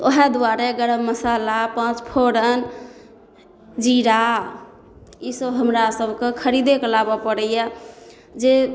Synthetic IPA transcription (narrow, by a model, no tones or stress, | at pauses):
oɦɛd̪uaɾeɡəɽəbməsalapãt͡ʃpʰoɾən | d͡ʒiɾa | isəbɦəmɾasəbʱkekʰəɾid̪ekelabɔpəɽəja | d͡ʒe